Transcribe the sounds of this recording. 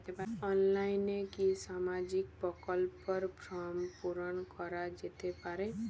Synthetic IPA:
t̪epaɔnlainekisamad͡ʒik̚pɔkəlpːəɾpɾɔmpuɾənkɔɾad͡ʒet̪epaɾɛ

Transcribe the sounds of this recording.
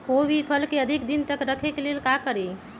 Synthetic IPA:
kobʱipʰəlkeəd̪ʱikd̪int̪əkɾəkʰekelelkakəɾi

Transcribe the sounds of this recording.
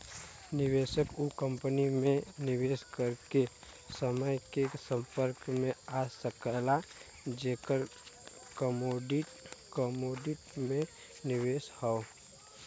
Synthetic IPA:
nɪʋeːʃəkukə̃mpənimẽnɪʋeːskəɾke | səməjkesə̃mpəɾkmẽasəkəla | d͡ʒeːkəɾ | kəmoːɖiʈkəmoːɖɪʈmẽ | nɪʋeːshɔo

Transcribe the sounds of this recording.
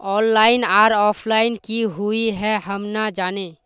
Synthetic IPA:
ɔːnlaːɪnaːɾɔːpʰlaːɪnkiɦuiɦɛɦəmnad͡ʒaːne

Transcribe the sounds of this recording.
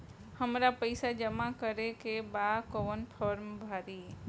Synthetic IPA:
həmɾapəɪsad͡ʒəmakəɾekebakoənpʰɔːɾmbʱaːɾi

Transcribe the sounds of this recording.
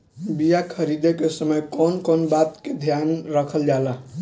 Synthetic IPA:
bijakʰəɾid̪ekesəməjkonkonbat̪ked̪ʱjanɾəkʰəld͡ʒala

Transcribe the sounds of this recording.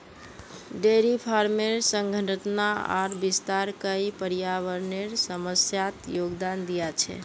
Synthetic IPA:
ɖeɾipʰaɾmeɾsəŋɡʱəɳɖət̪naa̰ɾbist̪aɾkəipəɾijaβəɾneɾsəməsjat̪joɡd̪and̪ijat͡ʃʰɛ̰

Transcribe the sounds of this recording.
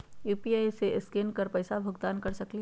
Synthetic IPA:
juːpiaːjseʔɪskenkɐɾpɐɪsabʱʊɡd̪aːnkɐɾsɐkli

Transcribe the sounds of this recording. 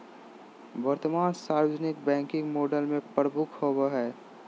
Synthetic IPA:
bəɾt̪əmaːnsaːɾəd͡ʒnɪk̚bɛ̃ːŋkɪ̃ŋɡmoːɖəlmẽpəɾbʱukhobəɦɛː

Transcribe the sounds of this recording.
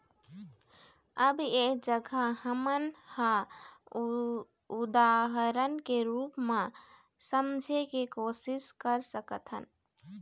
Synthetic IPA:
əbekd͡ʒəɡʱahəmənhã | ud̪aɦəɾənkeɾupmẽ | səmd͡ʒʱekekosiskəɾsəkət̪ɦə̰n

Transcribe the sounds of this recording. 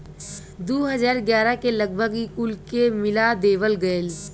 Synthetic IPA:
d̪oːɦəzaːɾɡjaːɾakeləɡ̚bʱəɡikulkemɪlad̪eːʋəlɡəel

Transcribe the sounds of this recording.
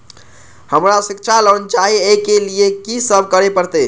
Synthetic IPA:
həmɾasikt͡ʃʰaləənt͡ʃaɦiekeliekisəb̚ʱkəɾepəɾt̪e

